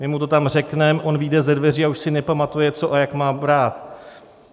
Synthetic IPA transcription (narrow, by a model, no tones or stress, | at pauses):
mɪmut̪o̞t̪amr̝ɛknɛmʔo̞nviːdɛzɛdvɛriːauʃsɪnɛpamat̪ujɛt͡so̞ʔajakmaːbɾaːt̪